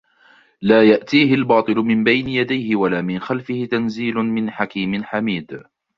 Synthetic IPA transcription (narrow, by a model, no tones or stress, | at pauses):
laːjaʔt̪iːɦɪlbɑːt̪ˤɨlʊmɪmbajnɪjad̪ajhɪwalaːmɪnxalfɪhɪt̪anziːlʊmɪnħakiːmɪnħamiːd̪